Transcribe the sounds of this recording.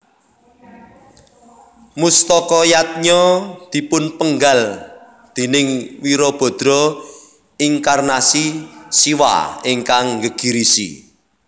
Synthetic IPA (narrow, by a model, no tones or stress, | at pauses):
must̪ɔkɔjat̪̚ɲɔd̪̥i̤pʊnpəŋɡal | d̪̥e̤nɪŋwiɾɔb̥ɔ̤d̪̥ɾɔ | iŋkarnasisiwa̰iŋkaŋɡəɡ̥i̤ɾisḭ